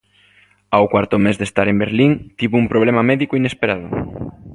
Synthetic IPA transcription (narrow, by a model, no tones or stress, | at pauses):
awkwaɾt̪ʊmezðest̪aɾembeɾliŋt̪iβoumpɾoβ̞lɛmamɛðikoinespeɾaðʊ̰